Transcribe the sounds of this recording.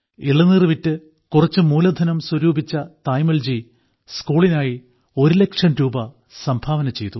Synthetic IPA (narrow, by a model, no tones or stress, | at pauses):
iɭːɐnːirʋitːɨ | kurɐt͡ɕːɨmuːlɐd̪ʱɐnɐmswuɾuːbʱit͡ɕːɐt̪ɐjmɐld͡ʑi | skuːɭinaːji | o̞ɾule̞kʂɐmɾuːbɐ | sɐmbʱaːʋɐnɐmt͡ɕe̞jt̪u